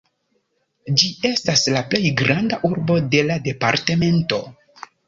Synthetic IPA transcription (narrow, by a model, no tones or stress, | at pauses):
d͡ʒie̞staslaple̞jɡɾandaʔuɾbo̞de̞lade̞pa̰ɾte̞me̞nto̞